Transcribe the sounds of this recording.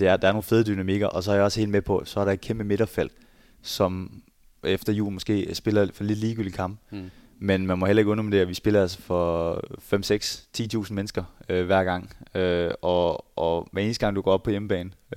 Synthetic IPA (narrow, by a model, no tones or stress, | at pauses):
d̥e̝æɐd̥ɑ̈æɐno̝ːn̩fe̝ð̞ˠd̥ynæmiɡ̥ɐʔɒ̽sɒ̽æɐjɑɒ̽se̝̰ːlmepʰɒ̽sɒ̽æɐɾɑ̈e̝d̥̚kʰemb̥əme̝ɾ̥ɐfel̰d̥ | sɒ̽m | efd̥ɐjṵːlmɒsɡ̥e̝̰ːsb̥e̝lɐfɒle̝d̥liːɡ̥yld̥i̥kʰɑ̈mb̥ | menmænmɒ̽helɐe̝ɡ̥ɔnɒmd̥eɐʋisb̥e̝lɐælsɐ̥fɒ̽fem̰seɡ̥st͡sʰḭːt͡sʰṵːsn̩menəsɡ̥ɐøʋæɐ̰ɡ̥ɑ̈ŋ̰øɒ̽ɒʋæɐe̝ːn̩əsd̥ɡ̥ɑ̈ŋ̰d̥uɡ̥ɒ̰ːɒb̥̚pʰɒ̽jeməb̥ɛ̰ːnn̩